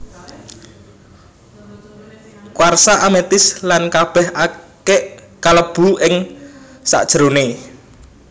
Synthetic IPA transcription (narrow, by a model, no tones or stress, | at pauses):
kwarsaʔamet̪ɪslankab̥ɛ̤hʔakeʔ | kaləb̥uɪŋ | sa̰ʔd̥ʒ̥əɾone